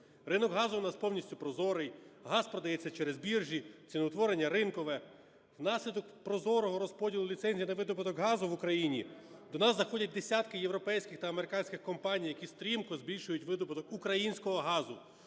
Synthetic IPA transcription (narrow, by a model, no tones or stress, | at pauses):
ɾɪnɔɡɦɑzʊʊnɑspɔwnʲisʲtʲʊpɾɔzɔɾɪjɦɑspɾɔd̪ɐjɛt͡sʲːɐt͡ʃɛɾezbʲirʒʲit͡sʲinɔwt̪ʋɔɾenʲːɐɾɪnkɔʋɛ | wnɑsʲlʲid̪ɔkpɾɔzɔɾɔɦɔɾɔspɔdʲilˠʊlʲit̪sɛnʲzʲijinɐʋɪd̪ɔpɪt̪ɔɡɦɑzʊʋʊkɾɐjinʲi | d̪ɔnɑzːɐxɔdʲɐt̚ʲd̪esʲat̪kɪjewɾɔpɛjsʲkʲɪxt̪ɐɐmeɾɪkɑnʲsʲkʲɪxkɔmpɑnʲijɐkʲist̪ɾʲimkɔzbʲilʲʃʊjʊtʲʋɪd̪ɔpɪt̪ɔkukɾɐjinʲsʲkɔɦɔɦɑzʊ